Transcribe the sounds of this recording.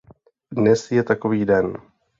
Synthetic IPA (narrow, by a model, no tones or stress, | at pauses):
dnɛsjɛt̪ako̞viːdɛn